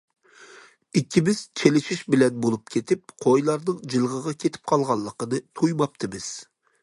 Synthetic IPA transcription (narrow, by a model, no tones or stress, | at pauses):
ikʲʰːimɪz̥t͡ʃʰelɪʃiʃbɪlɛnbolˠupkʲʰet̪ʰɪp̚qʰojlˠɑɾnɨŋd͡ʒɨlˠʁəʁɑkʲʰet̪ʰɪ̥p̚qʰɑlˠʁɑlˠːəqənɨt̪ʰujmɑp̚t̪ʰɨmɪz̥